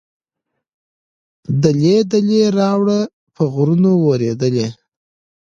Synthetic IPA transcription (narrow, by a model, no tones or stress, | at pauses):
d̪əled̪əleɾɑwɽə | pʰəɣɾunowoɾed̪əle